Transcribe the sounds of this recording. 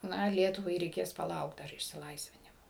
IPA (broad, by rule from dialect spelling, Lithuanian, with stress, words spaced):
ˈnɐ ˈlʲiɛtʊʋɐɪ rʲɛɪˈkʲeːs pɐˈlˠɐʊkt ˈdɐr ɪʃʲsʲɪˈlˠɐɪsʲʋʲɪnʲɪmoː